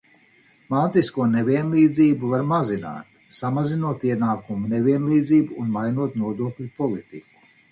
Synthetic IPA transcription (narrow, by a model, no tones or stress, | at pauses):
maːt̪iskuɔnevʲiɛnlˠiːd̪ziːbuvaɾmazina̰ːt̪ | samazinuɔt̪iɛnaːkumunevʲiɛnlˠiːd̪ziːbuːnmajnuɔt̪nuɔd̪uɔklʲupɔlˠit̪iku̥